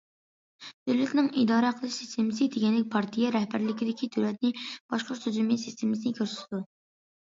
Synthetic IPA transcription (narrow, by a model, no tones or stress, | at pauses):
d̪̥øwlɛt̪nɪŋid̪ɑːɾəqʰəlˠɨʃsi̥st̪emɨs̬ɨd̪eɡʲɛnlɪk̚ʲpʰɑɾt̪ʰijɛɾɛhbæɾlɪkʲid̪ɪkʲid̪øwlɛt̪̚nɪb̥ɑʃqʊɾt̪ʰuzumjɛsist̪ʰemɪsɨnɪkʲʰøɾsy̥t̪ʰɪd̪u